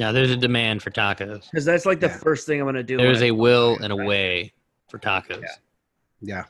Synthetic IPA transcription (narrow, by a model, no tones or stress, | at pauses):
naʊðə˞zɨdɨmæ̃nd̥fə˞tʰɑkɨz̥kʌzðætslaɪk̚ðɨfɜ˞st̪̚θɪ̃ŋaɪ̃mɡʌ̃nɨdɨðə˞zɨwɪlˠɨ̰̃ñəweɪ | fə˞tʰɑ̰kʰɨz̥ | jæ